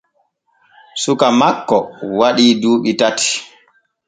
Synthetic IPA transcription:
sukamakːɔwaɗiːduːɓitati̥

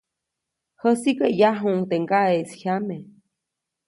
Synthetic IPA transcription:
həsikəjaɦuŋt̪eŋɡaeʔshjame

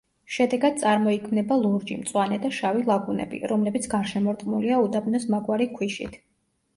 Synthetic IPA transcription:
ʃɛd̪ɛɡad̪̥̚t̪sʼaɾmɔikʰmnɛbalˠuɾd͡ʒḭmt̪sʼwanɛd̪aʃavilˠaɡunɛ̰bḭɾɔmlɛbit̪sʰɡaɾʃɛmɔɾt̪ʼqʼmuliaud̪abnɔsmaɡwaɾikʰwiʃḭt̪ʰ

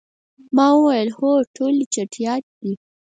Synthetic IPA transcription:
mɑwəwajəlhoʈʰolit͡ʃaʈʰijɑt̪̚d̪̥i

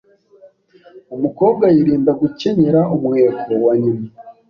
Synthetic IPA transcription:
umuko̞ːb̚ɡajiɾiːndaɡuce̞ɲeɾaumŋeːkowaɲima

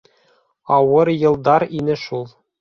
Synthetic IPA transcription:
ɑwɤɾjɤ̆lˠd̪ɑɾinɘʃulˠ

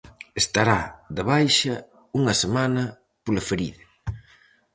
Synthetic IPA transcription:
est̪aɾaðɪβajʃɐ | uŋɐsemanɐ | polɐfeɾiðɐ

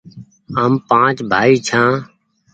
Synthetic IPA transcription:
əːmpãːt͡ʃbʱaːiːt͡ʃʰãː

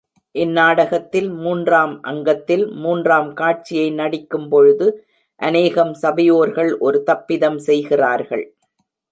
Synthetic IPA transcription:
ʔɪnːaːɽɐɣɐt̪ːɪlmuːndraːmʔɐ̰ŋɡɐt̪ːɪlmuːndraːmkaːʈ̚t͡ʃɪjɐɪnɐɽɪkːɯmpɔɻɯðɯ | ʔɐneːɣɐmsɐbɐjoːɾɣɐɭʔɔɾɯt̪ɐpːɪðɐmsɛjɣɪraːɾɣɐɭ

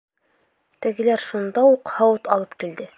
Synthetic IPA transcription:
t̪ɘ̆ɡɘ̆læɾʃund̪ɑuqhɑwɤt̪ɑlˠɤpkild̪ɘ

